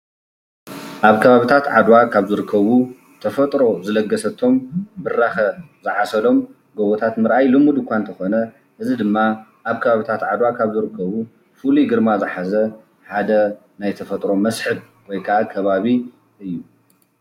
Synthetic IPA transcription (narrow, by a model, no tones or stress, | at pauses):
ʔaβkʰɐβaβit̪ʰat̪ʕa̰d̪wakʰaβzɨɾɨkʰːɐβu | t̪ʰɐfɐt̪ʼɾo̞zɨlɐɡːɐsɐt̪ʰːo̞mbɨrːaxɐ | zɨʕasɐlo̞m | ɡɐβot̪ʰat̪mɨɾʔajlɨmud̪ɨkʷant̪ʰɐxo̞nɐ | ʔɨzid̪ɨmːa | ʔaβkʰɐβaβit̪ʰat̪ʕad̪wakʰaβzɨɾɨkʰːɐβu | fɨluɡɨɾmazɨħazɐ | ħad̪ɐ | najt̪ʰɐfɐt̪ʼɾo̞mɐsħɨb | wɔjkʰaʔakʰɐβaβi | ɨjːu